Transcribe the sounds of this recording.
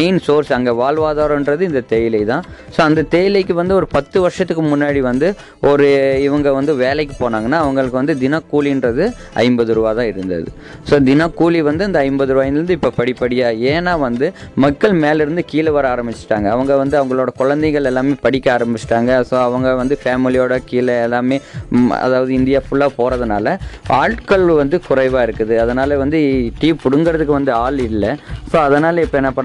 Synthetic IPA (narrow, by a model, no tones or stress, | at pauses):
ɐɪnsoːɾsɐŋɡeːʋaːɭʋaːðaːɾɐɪnɖɾɐðɯɪnd̪ɐt̪eːjɪlɐɪt̪ãː | soːɐnd̪ɐt̪eːjɪlɐɪkːɯʋɐnd̪ɯɔɾɯpɐt̪ːɯʋɐɾʂɐt̪ːɯkːɯmʊnːaːɽiʋɐnd̪ɯ | ɔɾɯɪʋɐŋɡɐʋɐnd̪ɯʋeːlɐɪk̬ːɯpoːnaːŋɡɐnːaːɐʋɐŋɡɐɭɯkːɯʋɐnd̪ɯd̪ɪnaːkːuːlindrɾɐðɯ | ʔɐ̰ɪmbɐðɯɾɯʋaːt̪ãːɪɾɯnd̪ɐ̰ðɯ̰ | soːd̪ɪnaːkːuːliʋɐnd̪ɯɐnd̪ɐɐɪmbɐðɯɾɯʋaːɪnd̪ɯɾɯnd̪ɯɪpːoːpɐɽɪpːɐɽɪjaːeːnːaːʋɐnd̪ɯ | mɐkːɐɭmeːlɪɾɯnd̪ɯkiːlɐʋɐɾɐaːɾɐmbɪt͡ʃːɪ̥ʈːaːŋɡɐːʋɐŋɡɐʋɐnd̪ɯɐʋɐŋɡɐɭoːɽɐkʊɻɐnd̪ɐɪŋɡɐɭɛlːaːmeːpɐɽɪkʲːɐaːɾɐmbɪt͡ʃːɪ̥ʈːaːŋɡɐsoːɐʋɐŋɡɐʋɐnd̪ɯfaːmɪlɪjoːɽɐkiːlɐɛlːaːmeːɐ̰ðaːʋɐðɯɪnd̪ɪjaːfʊɭːaːpoːɾɐðɯnaːlɐaːɻʈkɐɭʋɐnd̪ɯkʊrɐɪʋaːɪɾɯkːɯðɯɐðɐnaːlɐʋɐnd̪ɯʈiːpʊɽɯŋɡɐɾɐðɯkːɯʋɐnd̪ɯaːlɪlːɐsoːɐðɐnaːlɐɪpːoːɛnːɐpːɐɳ